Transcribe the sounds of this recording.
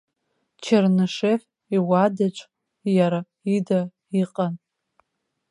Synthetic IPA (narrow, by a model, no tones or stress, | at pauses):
t͡ʃʰarnɨʂef | iwadat͡ʃʷʼ | jaɾa | ida | iqʼan